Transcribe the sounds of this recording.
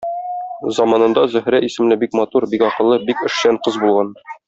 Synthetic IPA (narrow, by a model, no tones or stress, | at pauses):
zɒmɑnɤ̆nd̪ɑzɵ̆hɾæisɘ̆mlɘbikmɑt̪uɾbikɒqɤ̆lˠːɤbikɘ̆ʃɕæɴqɤzbulˠʁɑn